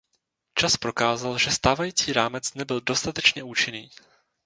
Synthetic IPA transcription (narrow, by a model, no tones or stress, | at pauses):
t͡ʃaspɾo̞kaːzalʒɛst̪aːvajiːt͡siːɾaːmɛt͡snɛbɪldo̞st̪at̪ɛt͡ʃɲɛʔuːt͡ʃɪniː